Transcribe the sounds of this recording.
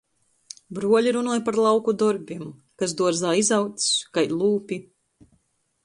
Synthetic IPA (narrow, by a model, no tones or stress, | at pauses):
bɾuɔlʲiɾunuɔjpaɾlˠɑwkud̪ɔɾbʲim | kas̬d̪uɔɾzaːizawt̪skajlˠuːpʲi